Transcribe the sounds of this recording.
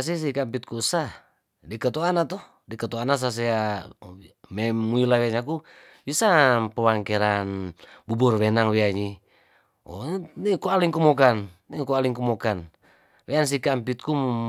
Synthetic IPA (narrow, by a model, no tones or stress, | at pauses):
as̬is̬ikampit̪̚kusa | dikat̪ɔanat̪ɔ | dikat̪ɔanas̬as̬ɛa | mɛmuilawiaɲak̬u | bisapəwaŋkɛɾanbubɔrwɛnaŋwiaɲi | ɔ̰nikualiŋkumɔkanːikualiŋkumɔkan | wɛans̬ikampit̪̚ku